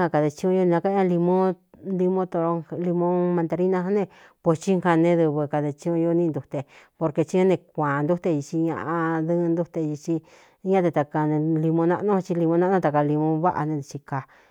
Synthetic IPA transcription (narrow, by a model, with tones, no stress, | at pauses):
a˧ka˧ðe˧t͡ʃĩ˧õ˧ju˦nĩ˧nã˧ka˦ɲã˦˧li˧mõ˦ | li˧mõ˦t̪o˧ɾo˧li˧mõ˦mã˧nd̪a˧ɾi˦nã˧ɦa˦nẽ˦˧ | po˧t͡ʃi˦ŋha˧nẽ˧ðɨ˧βɨ˧ka˧ðe˧t͡ʃĩ˧ũ˧ju˦˧nĩ˧nd̪u˧t̪e˧po˧ɾke˧t͡ʃi˦õ˦nẽ˧kʷãː˨˧nd̪u˦t̪e˧i˧t͡ʃi˧ɲã̰˧ʔa˧ðɨ˦˧nd̪u˦t̪e˧ji˧t͡ʃi˧ | ɲã˦t̪e˧t̪a˧ka˧nẽ˧li˧mõ˧nã̰˧nõ˦˧t͡ʃi˧li˧mõ˧nã˦ʔnõ˦˧t̪a˨˧ka˧li˧mõ˧βa˦ʔa̰˧nẽ˧d̪i˧t͡ʃi˧ka˧